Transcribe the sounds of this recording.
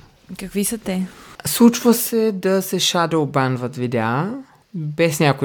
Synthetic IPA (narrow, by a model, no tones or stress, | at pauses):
kɐkvisɐt̪ɛslˠut͡ʃvəsɛd̪ɐsɛʃad̪ɛobanvət̪vid̪ɛa | bɛsnʲakʊ